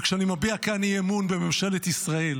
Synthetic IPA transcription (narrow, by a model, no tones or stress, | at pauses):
kʃanimabiakaniemunbe̞me̞mʃe̞let̪isʁae̞l